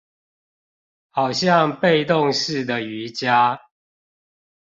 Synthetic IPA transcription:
hɑ˨˩ʊɕjɑ˥˨ŋpe˥˧ɪt̪ʊ˥˨ŋʂɻ̩˥˨d̪ə˨˩y˨˦t͡ɕja˦

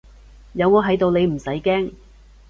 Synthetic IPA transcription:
jɐ˨˧wŋɔː˨˧ɦɐ˨˥jt̪o˨wne˨˧jm̩˨˩sɐ˨˥jkɛː˥ŋ

